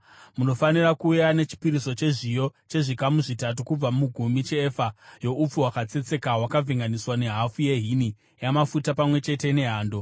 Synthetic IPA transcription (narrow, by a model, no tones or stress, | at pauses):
muno̞fanirakuːjane̞t͡ʃi̥piɾiso̞t͡ʃe̞ʐijot͡ʃe̞ʐikamuʐitat̬ukub͡vamuɡʱumit͡ʃeːfajo̞ʔup͡fuwakat͡se̞t͡se̞kawakavʱiŋɡaniswane̞ɦafuje̞ɦini | jamafutapamwe̞t͡ʃe̞te̞ne̞ɦaːndo̞